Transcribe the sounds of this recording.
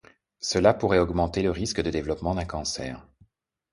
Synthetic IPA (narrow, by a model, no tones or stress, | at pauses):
səlapuʁɛɔɡmɑ̃t̪eləʁiskəd̪əd̪evlɔpmɑ̃d̪ɛ̃kɑ̃sɛ̰ːʁ